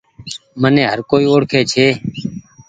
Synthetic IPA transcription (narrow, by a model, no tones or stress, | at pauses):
mənẽːɦəɾkoːiːoːɽkʰeːt͡ʃʰeː